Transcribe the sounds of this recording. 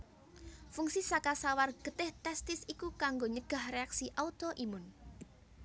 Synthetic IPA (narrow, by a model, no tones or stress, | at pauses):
fuŋsisakasawarɡ̥ət̪ɪht̪ɛst̪ɪsikukaŋɡoɲəɡ̥a̤hreaksiʔaut̪oʔimʊn